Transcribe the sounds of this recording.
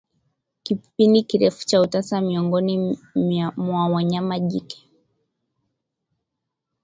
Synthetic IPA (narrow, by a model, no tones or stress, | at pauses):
kipindikiɾɛfu̥t͡ʃautasamiɔŋɡɔni | mwawaɲamaʄikɛ̥